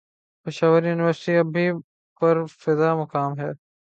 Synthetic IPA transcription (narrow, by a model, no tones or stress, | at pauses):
pɪʃaːʋəɾjuːnɪʋəɾsɪʈiɐbʱi | pɐɾfɪd̪aːmʊkaːmɦɛː